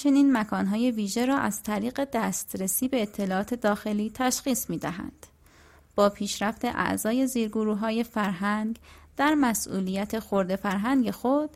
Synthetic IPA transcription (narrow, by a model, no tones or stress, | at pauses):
t͡ʃʰe̞niːnmækʰɒːnɦɒːje̞viːʒe̞ɾɒːʔæz̥t̪ʰæɾiːɣe̞d̪æst̪ɾesiːbe̞ːt̪ʰːe̞lɒːɒːt̪ʰe̞d̪ɒːxe̞liːt̪ʰæʃxiːsmiːd̪æɦæ̰nd̪̥ | b̥ɒːpʰiːʃɾæft̪e̞ʔæ̰ʔzɒːje̞ziːɾɡoɾuːɦɒːje̞fæɾɦæŋɡd̪̥æɾmæsʔṵːliːjæt̪ʰe̞xoɾd̪e̞fæɾɦæŋɡe̞xod̪̥